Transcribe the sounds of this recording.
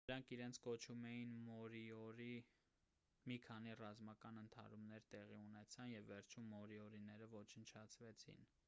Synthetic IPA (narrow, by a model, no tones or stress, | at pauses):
əɾɑŋkʰiɾɛnt͡sʰkɔt͡ʃʰumɛjinmɔɾiɔɾi | mikʰɑn̪irɑzmɑkɑnənt̪ʰɑ̰ɾumnɛɾt̪ɛʁiunɛt͡sʰɑnjɛvːɛɾt͡ʃʰumːɔɾiɔɾinɛɾəvɔt͡ʃʰənt͡ʃʰɑt͡sʰvɛt͡sʰḭn